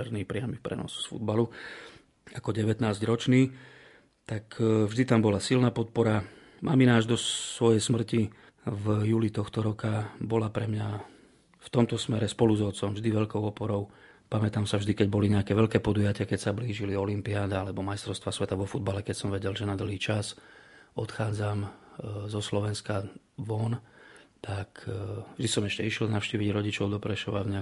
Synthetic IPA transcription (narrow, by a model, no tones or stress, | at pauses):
ɛɾnipɾɪamipɾɛ̰nɔ̰ssfṵd̪balu | akɔɟɛʋɛt̪naːzɟɾɔt͡ʃniː | t̪akvʒd̪it̪ambɔlasilnaːpɔt̪̚pɔɾa | mʔa̰minaːʒd̪ɔsʋɔjɛjsmr̩ci | vjuːlit̪ɔxt̪ɔɾɔkabɔlapɾɛmɲa | ft̪ɔmt̪ɔsmɛɾɛspɔluzɔt͡sɔmvʒd̪iʋɛʎkɔʊɔpɔɾɔʊ | pamɛt̪aːmsavʒd̪ikɛɟbɔliɲɛakɛːʋɛʎkɛːpɔd̪ujacɪakɛcsabliːʒiliɔlimpiaːd̪aalɛbɔmajst̪ɾɔʊst̪ʋasʋɛt̪aʋɔfud̪̚balɛkɛcsɔmʋɛɟɛlʒɛnad̪l̩ɦiːt͡ʃasɔt̪xaːd͡zamzɔslɔʋɛnska | ʋɔnt̪akvʒd̪isɔmɛʃcɛiʃjɛlnaʊʃciːʋiɟɾɔɟit͡ʃɔʊd̪ɔpɾɛʃɔʋavɲɛa